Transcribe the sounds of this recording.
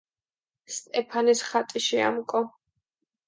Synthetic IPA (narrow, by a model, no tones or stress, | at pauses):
st̪ʼɛpʰanisχat̪ʼiʃia̰mkʼɔ